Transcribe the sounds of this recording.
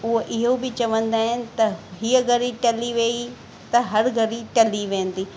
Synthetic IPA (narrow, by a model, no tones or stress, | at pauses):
ʊɦoʔɪɦobɪt͡ɕɐʋə̃nd̪aːɦɪnɪ̆t̪ɐɦiːəɡʱɐɾiʈɐliʋeːi | t̪ɐɦɐɾɡʱɐɾiʈɐliʋẽːn̆d̪iː